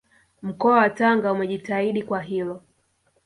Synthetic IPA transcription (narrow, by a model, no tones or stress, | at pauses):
m̩kɔawataŋɡaumɛʄitaiɗikwaɦilɔ